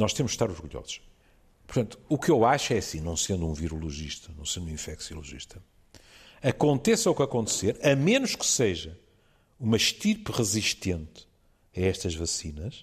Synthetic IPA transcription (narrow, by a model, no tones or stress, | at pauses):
nɔʃt̪emuʃʃt̪aɾɔɾɣuʎɔ̰zuʃ | pʊɾt̪ɐ̃nt̪uːkewaʃɛɐsĩnɐ̃w̃sẽnd̪uũviɾulˠuʒiʃt̪ɐnɐ̃w̃sẽnd̪ũĩfɛksṵlˠuʒḭʃt̪ɐ | ɐkõnt̪esɐukɐkõnt̪seɾɐmẽnuʃkɨ̥seʒɐ | umɐʃt̪iɾpʁɨziʃt̪ẽnt̪ | ɐɛʃt̪ɐʒvɐsinɐʃ